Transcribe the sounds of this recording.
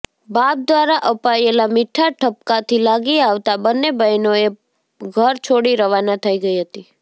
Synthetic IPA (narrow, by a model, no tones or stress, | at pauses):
bap̚d̪ʋaɾaʔəpaelamɪʈʰːaʈʰəp̚kat̪ʰilaɡiaʋt̪abənːebəjnoe | ɡʱəɾt͡ʃʰoɽiɾəʋanat̪ʰəiɡəiɦət̪i